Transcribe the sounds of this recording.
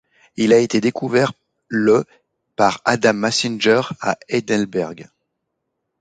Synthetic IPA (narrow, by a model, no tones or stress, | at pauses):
ilaet̪ed̪ekuvɛʁ | lə | paʁad̪amːasinʒœʁa̰ɛd̪ɛlbɛʁɡ